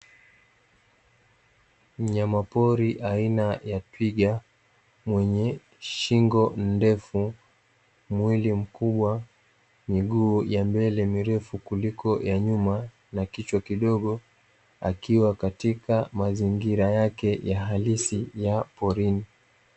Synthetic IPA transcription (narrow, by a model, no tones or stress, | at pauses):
m̩ɲamapɔɾiʔainajatwiɡa | mwɛɲɛ | ʃiŋɡɔndɛfu | mwilim̩kuɓwa | miɠuːjambɛlɛmiɾɛfukulikɔjaɲuma | nakit͡ʃwakiɗɔɠɔ | a̰kiwakatikamaziŋɡiɾajakɛjaɦalisijapɔɾini